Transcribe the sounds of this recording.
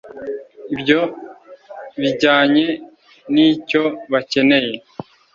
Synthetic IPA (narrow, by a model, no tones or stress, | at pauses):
ibɟo̞ | βiɟaːɲe̞ | nico̞βace̞ne̞je̞